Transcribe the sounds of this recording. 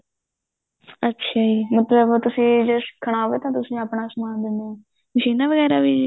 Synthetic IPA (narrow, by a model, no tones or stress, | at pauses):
ətːʃʰaːiːmət̪ləbt̪ʊsĩːd͡ʒəskʰːəɳ̃aːɦoːʋeːt̪ãːt̪̬ʊsĩːaːpɳaːsʊmãːnd̪eːne | məʃiːnãːʋəɣɛːɾaːʋiː